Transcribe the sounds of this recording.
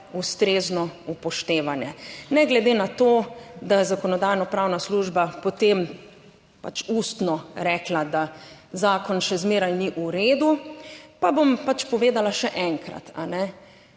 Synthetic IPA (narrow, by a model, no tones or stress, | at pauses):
ust̪ɾeːznɔupɔʃt̪eːʋanjɛnɛɡlɛd̪eːnat̪oːd̪azakɔnɔd̪ajnɔpɾawnasluːʒbapɔt̪em | pa̰t͡ʃuːst̪nɔɾɛːklad̪azaːkɔnʃɛzmeːɾajniʔuɾeːd̪upabompat͡ʃpɔʋeːd̪alaʃɛʔɛŋkɾa̰t̪ʰa̰nɛ